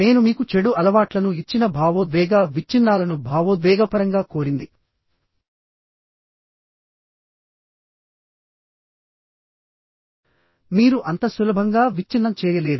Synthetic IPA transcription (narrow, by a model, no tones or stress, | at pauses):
ne̞ːnumiːkut͡ʃeɽuʔɐlɐʋaːʈlɐnuit͡ʃːinɐbʱaːʋoːd̪ʋɛːɡaːʋit͡ʃːinːaːlɐnubʱaːʋoːd̪ʋɛːɡɐpɐɾɐŋɡaːko̞ːɾind̪i | miːɾuʔɐnt̪ɐsʋulɐbʱɐŋɡaːʋit͡ʃːinːɐmt͡ʃɛːjɐle̞ːd̪u